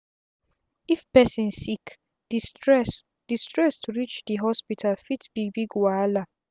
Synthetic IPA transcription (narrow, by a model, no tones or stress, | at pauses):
ifpɛsĩnsik | d̥istɹɛs | d̥istɹɛstuɹit͡ʃdiɦɔspitʰalfitb̥ibiɡwaala